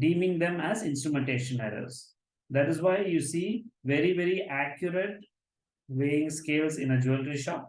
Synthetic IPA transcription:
ɖĩːmɪ̃ŋd̪ẽmæzɪ̃nsʈɾumẽɳʈeːʃə̃nɛɾə̰ɾs | d̪æʈɪzʋaɪjuːsiːʋeɾiʋeɾiʔækjʊɾeʈ | ʋeːɪ̃ŋskeːlsɪ̃nəd͡ʒulɾiʃɔːp̚

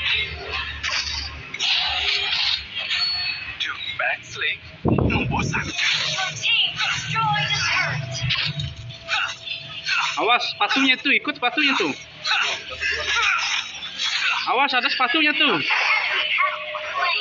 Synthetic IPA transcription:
d͡ʒɔbɛkslɪŋ | nubʊs | awaspat̪uɲat̪uikʊt̪spat̪uɲat̪u | awasadasə̥pat̪uɲat̪u

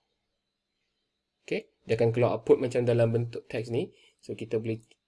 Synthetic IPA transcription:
oke | diakank̬alawa̰pʊt̪̚mat͡ʃamdalambənt̪ʊʔ̚t̪ɛksnĩ | sokit̪abəli

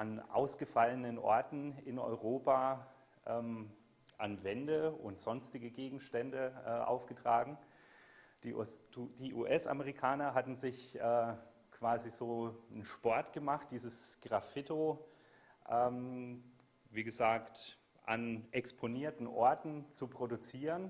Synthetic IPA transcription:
ʔanʔa̰ʊsɡ̥əfalənənʔɔ̰ɐtn̩ɪnɔ̰ʏʁ̞oːpa | ʔɛːm | ʔa̰nvɛndəʊ̰ntz̥ɔnstɪɡəɡeːɡŋ̩ʃtɛndəʔɛːʔa̰ʊfɡ̥ətʁ̥aːɡŋ̩ | d̥iʔd̥iːʔuːʔɛsʔa̰məʁikʰaːnɐɦatn̩zɪçʔɛː | kʰv̥aːzizoːənʃpɔɐtɡ̥əmaχt̚d̥iːzəsɡ̥ʁafɪto | ʔɛːm | viːɡəzaːkt | ʔa̰nʔɛkspʰoniːɐtn̩ʔɔɐtn̩t͡supʁ̥odut͡siːʁən

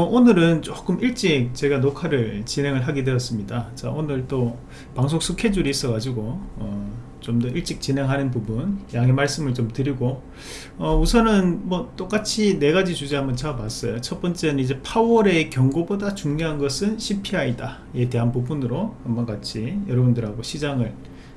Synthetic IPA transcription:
ʌʔonɯɾɯnt͡ɕok͈ɯmʔiɭt͡ɕ͈ik̚t͡ɕe̞ɡanokʰaɾɯɭt͡ɕinɦe̞ŋɯɭɦaɡidwe̞ʌs͈ɯmɲidat͡ɕaʔonɯɭt͈o | paŋs̬ʰok̚s͈ʰukʰe̞d͡ʑuɾiis͈ʌɡad͡ʑiɡoʌ | t͡ɕomdʌiɭt͡ɕ͈ik̚t͡ɕinɦe̞ŋɦanɯnpubunjaŋɦemaɭs͈ɯmɯɭt͡ɕomtɯɾiɡo | ʌusʰʌnɯnmwʌt͈ok͈at͡ɕʰine̞ɡad͡ʑit͡ɕud͡ʑeɦamʌnt͡ɕamas͈ʌjot͡ɕʰʌt̚p͈ʌnt͡ɕ͈e̞nɯnid͡ʑe̞pʰawʌɾe̞kjʌŋɡobodat͡ɕuŋɲoɦanɡʌsʰɯnɕʰipʰiɦaida | e̞de̞ɦanpubunɯɾoamːaɡat͡ɕʰijʌɾʌbundɯɾɦaɡoɕʰid͡ʑaŋɯɭ

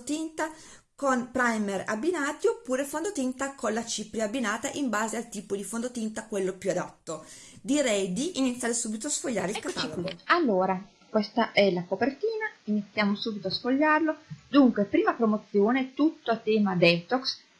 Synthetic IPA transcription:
t̪int̪a | konpɾajmerabːinaːt̪iopːuːɾefond̪ot̪int̪akonlat͡ʃipɾiabːinaːt̪aʔimbaːzealt̪iːpod̪ifond̪ot̪int̪akwelːopjuad̪a̰t̪ːo | d̪iɾɛjd̪iʔinit̪sjaɾesuːbit̪oasfoʎːa̰ːɾeikat̪aloɡoalːoːɾa | kwɛst̪aʔɛlakopert̪iːnainit̪sːjaːmosuːbit̪oasfoʎːarlod̪uŋkwepɾiːmapɾomot̪sːjoːnet̪ut̪ːoat̪ːɛːmad̪ɛːt̪oks

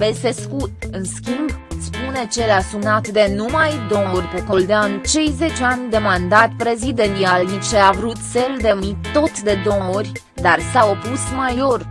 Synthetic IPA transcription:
vese̞skut̪ɨnskʲimbspune̞t͡ʃe̞lasumnat̪d̪e̞numajd̪o̞orʲpekold̪eaɨnt͡ʃe̞jze̞t͡ʃeanʲd̪e̞mand̪at̪pɾe̞zid̪enialnit͡ʃeavɾut̪seld̪emit̪ːo̞t̪d̪e̞d̪o̞orʲ | d̪arsao̞pusmajo̞r

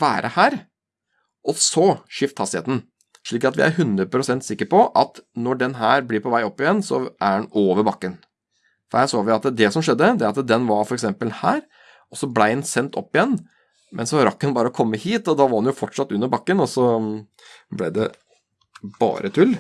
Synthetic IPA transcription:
ʋæːɾʔəhæːɾ | ʔɔsɔʂɪft̪hɑst̪ɪḛːt̪n̩ | ʂɭiːkɑt̪ʋɪ̰ʔæ̰ɾɦʉnd̪ɾəpʰɾʊsɛnt̪sɪkːəɾpɔʔɑt̪nɔɖɛnɦæːɾbliːɾpʰɔʋæɪɔpːɪjɛnːsɔ̰ʔæɛnoːʋəɾbɑkːən | fɔɾhæsoːʋɪɑt̪d̪ɛsɔmʂɛd̪ːəd̪ɛɾɑt̪d̪ɛnʋɑɾfɔɾɛksɛmpəlhæːɾ | ɔsɔblæɪɛnsɛnt̪ʰɔ̰pːɪjɛnː | mʔɛnsɔɾɑkːənbɑːɾəɔkʰɔmːəhiːt̪ɔd̪ɑʋɑɾɑnjʊfɔʈʂɑt̪ːʉnːəbɑkːənɔsɔ | blɛd̪ɛ | b̥ɑ̰ːɾʔət̪ʰʉlː

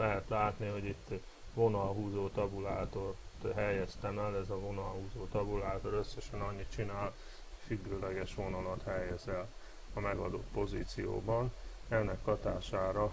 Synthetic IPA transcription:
lɛɦɛt̪laːt̪niɦo̞ɟit̪ː | ʋo̞nɒlɦuːzoːt̪ɒbulaːt̪o̞rt̪ɦɛjɛst̪ɛmɛlɛzɒvo̞nɒlɦuːzoːt̪ɒbulaːt̪o̞ɾø̞sːɛʃɛnɒɲːit̪̚t͡ʃinaːl | fyɡːøːlɛɡɛʃʋo̞nɒlɒt̪hɛjɛzɛl | ɒmɛɡɒd̪ot̪po̞zḭːt̪sijo̰ːbɒnɛnːɛkːɒt̪aːʃaːɾɒ

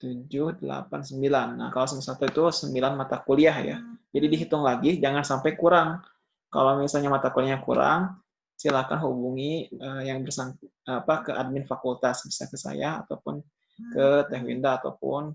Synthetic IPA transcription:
t̪ud͡ʒʊhdəla̰pansəmbilanːa̰hkalasəməsat̪uit̪usəmbilanmat̪akoliahja̰d͡ʒadidiɦit̪ʊŋlaɡid͡ʒaŋansampajkuɾaŋ | ka̰lawmisalɲamat̪akoliaɲakṵɾa̰ŋ | silahkanɦubuŋiəjaŋbərsaŋ | apakəʔad̚mɪnfakult̪asbisakəsa̰jaha̰t̪awpʊn | kət̪eɦwḭndaːt̪awpʊ̰n

